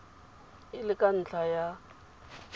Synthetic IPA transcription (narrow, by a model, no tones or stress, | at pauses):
ɪlɪkʼan̩t͡ɬʰaja